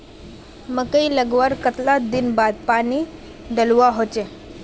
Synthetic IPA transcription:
məkəiləɡʋəɾkət̪lad̪inbad̪̚pañiː | ɖəluʋaɦot͡ɕe

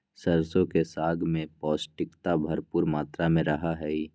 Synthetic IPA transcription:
səɾsõkesaːɡmẽpɔːsʈɪkt̪abʱɐɾpuːɾmaːt̪ɾamẽɾəɦaɦɛi

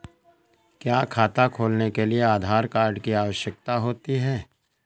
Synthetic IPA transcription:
kjaːkʰaːt̪akʰoːlnekelieaːd̪ʱaːɾkaːɾɖkiaːʋəʃjək̚t̪aɦoːt̪iɦɛː

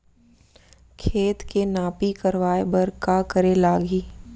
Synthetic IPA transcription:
kʰeːt̪kenaːpikəɾʋaːebɐɾkakəɾelaːɡiː

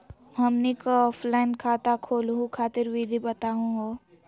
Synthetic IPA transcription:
ɦɐmnikaɔːpʰlaɪnkʰaːt̪akʰoːlɦũkʰaːt̪ɪɾwid̪ʱibɐt̪aɦũɦo

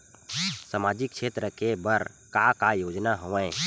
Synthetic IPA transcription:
səmaːd͡ʒɪkːʃʰeːt̪ɾəkebəɾ | kakajoːd͡ʒnaɦoʋə̃

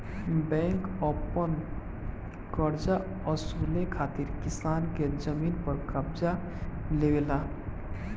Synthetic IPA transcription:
bɛ̃ŋkɔpən | kəɾd͡ʒa | əsulekʰaːt̪iɾkɪsaːnked͡ʒəmiːnpəɾkəbza | lewela

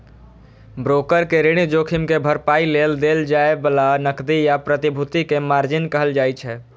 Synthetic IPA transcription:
bɾokəɾkeɾeɽ̃id͡ʒokʰimkebʱəɾpaileld̪eld͡ʒaebəlanəkd̪ijapɾət̪ibʱut̪ikemaɾd͡ʒɪnkəɦəld͡ʒajt͡ʃʰɛ

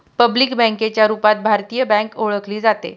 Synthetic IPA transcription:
pəbliːkbə̃ŋket͡ɕjaɾupat̪̚bʱaɾt̪ijəbɛ̃ŋkoɭəkliːd͡zat̪ḛ

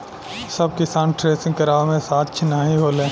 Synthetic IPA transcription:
səbkɪsaːnʈɾeːsɪ̃ŋɡkəɾaːmẽsaːt̪̚t͡ʃʰɪnaːɦĩɦoːlẽː

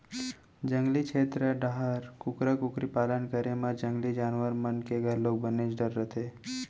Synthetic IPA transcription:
d͡ʒə̃ŋɡlikʃʰeːt̪ɾəɖaɦəɾkʊkɾəkʊkɾipaːlənkəɾemad͡ʒə̃ŋɡlid͡ʒaːnʋəɾmənkeɡʱəɾloːɡ̚bənet͡ʃɖəɾːət̪ʰeː

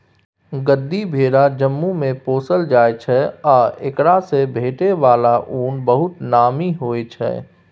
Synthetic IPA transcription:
ɡəd̪ːibʱeːɾad͡ʒəmːumẽpoːsəld͡ʒaːet͡ʃʰɛɔːekɽasebʱeːʈeʋaːlaʔuːnbəɦʊt̪naːmiɦoːet͡ʃʰɛ̰ː

